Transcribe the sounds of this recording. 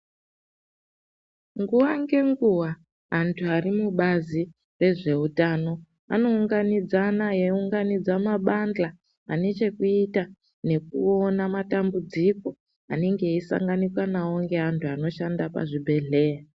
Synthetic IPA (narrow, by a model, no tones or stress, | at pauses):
ŋɡuwaŋɡe̞ŋɡuwa | antʰuaɾimuɓazi | re̞ʐe̞utano̞ | a̰no̞uŋɡanid͡zanajeuŋɡanid͡zamaɓand͡ɮaː | net͡ʃe̞kuita | ne̞kṵonamatambud͡ziko | ane̞ŋɡe̞isa̰ŋɡanikwanaoŋɡe̞ɦantʰuano̞ʃandapa̰ʐibʱe̞ɮe̞ːra